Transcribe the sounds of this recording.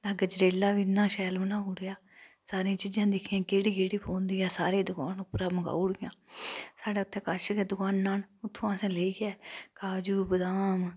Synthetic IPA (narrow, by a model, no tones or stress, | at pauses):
t̪ãːɡəd͡ʒɾeːlaːʋinːãːʃɛːlənãːɦuːɽɪjaː | saːɾẽãːt͡ʃiːd͡ʒãːd̪ɪkʰɪjãːkeːɽiːkeːɽiːpʰõːnd̪iːaːsaːɾeːd̪ʊkaːnʊpɾãːməɡa̰ːuɽjãːsaːɖeːʊt̪ʰːɛːkəɾʃkɛːd̪ʊkaːnːaːnʊt̪ʰːõːãːsɛ̃ːleːiːɡɛːkaːd͡ʒuːbəd̪aːm